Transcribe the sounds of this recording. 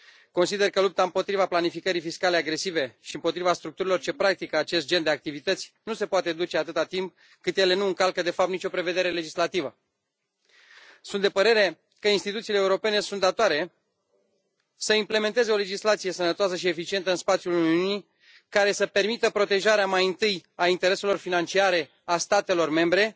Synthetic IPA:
ko̞nsid̪e̞rkəlup̚t̪aɨmpo̞t̪ɾivaplanifikəɾifiskale̞aɡɾe̞sive̞ʃiɨmpo̞t̪ɾivast̪ɾuk̚t̪uɾilo̞rt͡ʃe̞pɾak̚t̪ikəat͡ʃe̞st̪̚d͡ʒe̞nd̪eak̚t̪ivit̪ət̪sʲnuse̞poat̪e̞d̪ut͡ʃe̞at̪ɨt̪at̪imp̚ | kɨt̪je̞le̞nuɨŋkalkəd̪e̞fapt̪nit͡ʃo̞pɾeve̞d̪e̞ɾe̞le̞d͡ʒislat̪ivə | sunt̪d̪e̞pəɾe̞ɾe̞ | kəinst̪it̪ut̪siːleːuɾo̞pe̞ne̞sunt̪d̪at̪oaɾe̞ | səimple̞me̞nt̪e̞ze̞o̞le̞d͡ʒislat̪sijesənət̪oasəʃie̞fit͡ʃie̞nt̪əɨnspat̪sjuluniuni | kaɾe̞səpe̞rmit̪əpɾo̞t̪e̞ʒaɾeamajɨnt̪ɨjaint̪e̞ɾe̞se̞lo̞rfinant͡ʃiaɾe̞ | ast̪at̪e̞lo̞rme̞mbɾe̞

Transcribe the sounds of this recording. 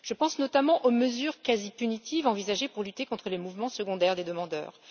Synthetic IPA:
ʒ̥əpɑ̃snɔt̪amɑ̃ʔoməzyʁkazipynit̪ivɑ̃vizaʒepuʁlyt̪ekɔ̃t̪χəlemuvmɑ̃səɡɔ̃d̪ɛʁd̪ed̪əmɑ̃d̪œ̰ːʁ

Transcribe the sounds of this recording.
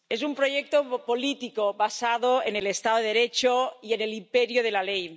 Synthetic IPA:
esumpɾo̞ʝek̚t̪opo̞lit̪ikoβasaðoenelest̪aðoeɾet͡ʃoie̞ne̞limpeɾjoð̞e̞lalej

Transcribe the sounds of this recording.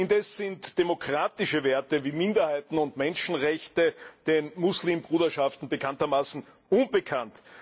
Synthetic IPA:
ɪndɛsz̥ɪntd̥emokʁ̥aːtɪʃəveːɐtəviːmɪndɐhaɪtn̩ʊntmɛnʃn̩ʁɛçtəd̥enmusliːmbʁuːdɐʃaftn̩bəkʰantɐmaːsn̩ | ʔʊnbəkʰant

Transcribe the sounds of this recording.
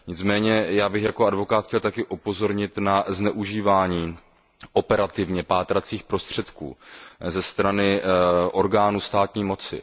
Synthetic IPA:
ɲɪt͡smɛːɲɛjaːbɪxjakoadvo̞kaːt̪xcɛlt̪akɪʔupo̞zo̞ɾɲɪt̪naznɛʔuʒiːvaːɲiː | ʔopɛɾat̪ɪvɲɛpaːt̪ɾat͡siːxpɾo̞st̪r̥ɛt̪kṵːzɛst̪ɾanɪʔo̞ɾɡaːnuːst̪aːt̪ɲiːmo̞t͡sɪ̰

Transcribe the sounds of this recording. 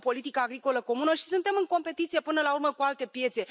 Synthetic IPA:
po̞lit̪ikaːɡɾiko̞ləko̞munəʃi̥sunt̪e̞mɨŋko̞mpe̞t̪it̪sije̞pɨnəlaurməkualt̪e̞pje̞t̪se̞

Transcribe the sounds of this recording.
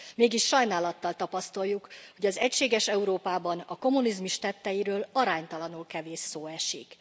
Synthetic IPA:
meːɡiʃːɒjnaːlɒt̪ːɒlt̪ɒpɒst̪ɒjːukho̞ɟɒzɛcʃeːɡɛʃɛuɾoːpaːbɒnɒko̞munizmuʃt̪ɛt̪ːɛjiɾøːlɒɾaːɲt̪ɒlɒnulkɛveːʃːoːɛʃik

